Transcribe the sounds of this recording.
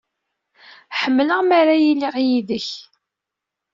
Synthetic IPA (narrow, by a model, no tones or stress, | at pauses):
ħəmːləʁmaɾajilːiʁjiðəç